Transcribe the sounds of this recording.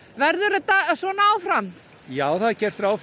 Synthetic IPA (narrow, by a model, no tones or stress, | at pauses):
vɛɾðʏɾat̪asvɔːnaːwfɾam | jaːwθaðcɛr̥t̪ɾaːwf